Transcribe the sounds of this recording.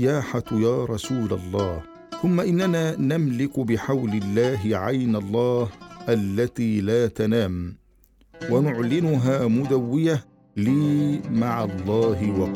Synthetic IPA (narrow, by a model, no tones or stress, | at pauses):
aːħajaːɾˤɑsuːlalˤːɑːh | θʊmːaʔɪnːanaːnamlɪkʊbɪħawlɪlːaːɦɪʕajnalˤːɑːhʔalːat̪iːlaːt̪anaːm | wanʊʕlɪnʊɦaːmʊd̪awːɪja | liːmaʕɑlˤːɑːɦɪwɑq